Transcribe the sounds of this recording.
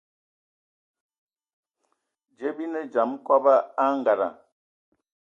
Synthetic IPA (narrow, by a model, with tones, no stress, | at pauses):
d͡ʒe˦bi˦nə˦d͡ʒa˨˦m˦kwɔ˦ba˦a˦ŋ˨ɡa˨ɾa̰˨